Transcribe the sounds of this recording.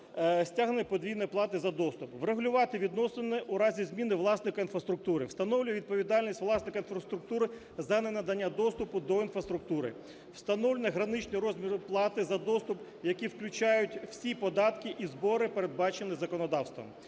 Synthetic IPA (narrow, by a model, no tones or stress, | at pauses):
sʲtʲaɦnɪpɔd̪ʲijnɔjplˠɑt̪ɪzɐd̪ɔst̪ʊpʋreɦʊlʲʊʋɑt̪ɪʋʲid̪nɔsenɛʔuɾɑzʲizmʲinɪʋlˠɑsnɪkɐinfɾɐst̪ɾʊk̚t̪uɾɪ̰wst̪ɐnɔwlʲʊjɛʋʲid̪̚pɔʋʲid̪ɑlʲnʲisʲtʲʋlˠɑsnɪkɐinfɾɐst̪ɾʊk̚t̪uɾɪ | zɐnenɐd̪ɐnʲːad̪ɔst̪ʊpʊd̪ɔin̪fɾɐst̪ɾʊk̚t̪uɾɪ̰ | w̥st̪ɐnɔwlʲenʲɐɦɾɐnɪt͡ʃnʲiɾɔzʲmʲiɾʊplˠɑt̪ɪzɐd̪ɔst̪ʊp | jɐkʲiwklʲʊt͡ʃɑjʊtʲwsʲipɔd̪ɑt̪kɪʔizbɔɾɪpeɾed̪̚bɑt͡ʃenɪzɐkɔnɔd̪ɑwst̪ʋɐ̰m